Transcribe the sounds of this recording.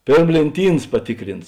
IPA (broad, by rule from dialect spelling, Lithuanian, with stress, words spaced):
ˈpʲeːrm lʲeːnʲˈtʲiːns pɐˈtʲɪkrʲɪns